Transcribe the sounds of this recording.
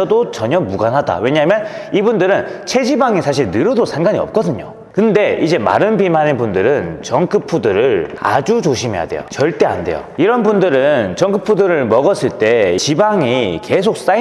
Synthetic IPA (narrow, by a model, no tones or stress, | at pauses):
ʌdot͡ɕʌɲʌmuɡanɦada̰we̞ɲamjʌn | ibundɯɾɯn | t͡ɕʰe̞d͡ʑibaŋisʰaɕ̬ʰiɭnɯɾɯdosʰaŋɡaɲiʌ̰p̚k͈ʌdɯɲo̰ | kɯnde̞id͡ʑe̞ma̰ɾɯnpimanɯnbundɯɾɯnt͡ɕʌŋk͈ʰɯpʰudɯɾɯɭa̰d͡ʑut͡ɕoɕʰime̞ja̰de̞̰jo̰t͡ɕʌɭt͈e̞a̰nde̞̰jo̰iɾʌnbundɯɾɯnt͡ɕʌŋkɯpʰudɯɾɯɭmʌɡʌs͈ɯɭt͈e̞t͡ɕibaŋike̞sʰok̚s͈a